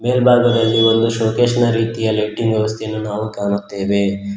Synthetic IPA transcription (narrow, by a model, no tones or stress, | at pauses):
beːlbʱaːɡɐd̪ɐlːio̞nd̪uʃoːkeːʂɐnɐɾiːt̪ijɐlɐʈːiŋɡʋjɛʋɐst̪ʰejɐnːunaːʋukaːnut̪ːe̞ːʋe̞